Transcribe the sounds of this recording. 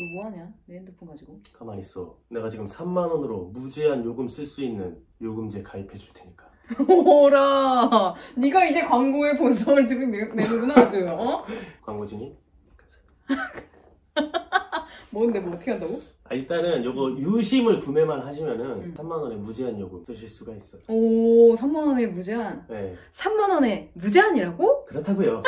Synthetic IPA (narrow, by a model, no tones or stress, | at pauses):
omoɦaɲaneendɯpʰunɡad͡ʑiɡokamaɲis͈ʌ̰ne̞ɡat͡ɕiɡɯmsʰamːanwʌnɯɾomud͡ʑeɦanjoɡɯms͈ɯɭs͈uinːɯn | joɡɯmid͡ʑe̞kaipʰe̞d͡ʑuɭtʰe̞ɲik͈ḁ | oɾa | niɡaid͡ʑe̞kwaŋɡoe̞ponsʰʌmɯɭtɯɡinemuɡunaad͡ʑojokwaŋɡod͡ʑiɲi | kamsḁ | mʌndemoːtʰʌkʰeantdaɡoaiɭt͈anɯnjʌɡʌjuɕʰimɯɭkume̞manɦaɕʰimjʌnɯnsʰamːanʌne̞mud͡ʑeɦanjʌɡos͈ɯɕʰiɭs͈uɡais͈ʌjosʰamːanʌne̞mud͡ʑe̞ɦanjesʰamːanʌne̞mud͡ʑeɦaɲiɾaɡokɯɾʌtʰaɡojo